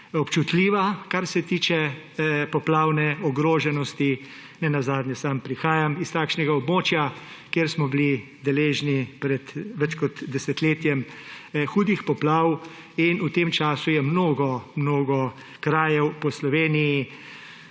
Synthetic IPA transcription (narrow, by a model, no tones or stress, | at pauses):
ɔpt͡ʃut̪lʲiːʋakaɾsɛt̪iːt͡ʃɛ | pɔplaːwnɛɔɡɾoːʒɛnɔst̪i | nɛnazaːd̪nʲjɛsampɾixaːjamist̪aːkʃnɛɡaɔbmoːt͡ʃjakjeːɾsmɔbili | d̪ɛleːʒnipɾɛt̪ʋɛt͡ʃkɔt̪d̪ɛsɛt̪leːt̪jɛmxuːd̪ixpɔplaw | inut̪eːmt͡ʃaːsujɛmnoːɡɔmnoːɡɔ | kɾaːjɛwpɔslɔʋeːniji